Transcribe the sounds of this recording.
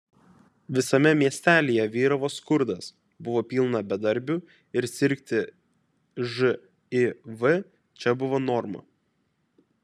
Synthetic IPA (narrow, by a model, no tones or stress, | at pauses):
ʋʲɪsɐmʲɛmʲiɛsʲt̪ʲæːlʲijɛʋʲiːɾɐʋoːskʊɾd̪ɐs | bʊʋoːpʲiːlˠnɐbʲɛd̪ɐɾʲˑbʲʊ | ɪɾsʲɪɾʲkʲt̪ʲɪ | ʒɨ | ɪʋɨ | t͡ʃʲɛbʊʋoːnɔɾmɐ̰